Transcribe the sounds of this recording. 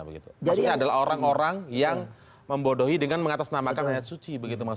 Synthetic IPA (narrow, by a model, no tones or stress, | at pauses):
bəɡit̪uasɲaadalaɦoɾaŋoɾaŋjaŋ | məmbodoɦidəŋanməŋat̪asnamakanajat̪̚sut͡ʃibəɡit̪uma